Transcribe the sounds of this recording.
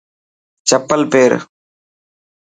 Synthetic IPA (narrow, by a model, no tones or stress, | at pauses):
t͡ʃəpəlpeːɾ